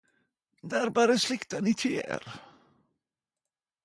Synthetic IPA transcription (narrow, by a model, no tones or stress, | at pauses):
d̪æɾbœɾəslɪkt̪anɪt̪ʰɪlḛːɾ